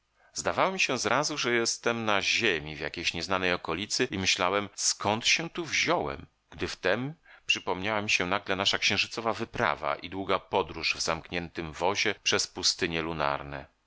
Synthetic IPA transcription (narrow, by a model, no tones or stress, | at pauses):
zd̪avawɔmʲiɕɛzɾʔazuʐɛjɛst̪ɛmnaʑemʲivja̰kʲejɕɲɛznanɛjɔkɔlʲit̪sɘimɘɕlawɛmskɔnt̪ɕɛt̪uvʑɔwɛ̰m | ɡ̥d̪ɘft̪ɛmpʂɘpɔmɲawamʲiɕɛnaɡlɛnaʂakɕɛ̃w̃ʐɘt̪sɔvavɘpɾa̰va̰ʔid̪wuɡapɔd̪ɾuʐvzamkɲɛnt̪ɘmvɔʑɛpʂɛspust̪ɘɲɛluna̰ɾnɛ̰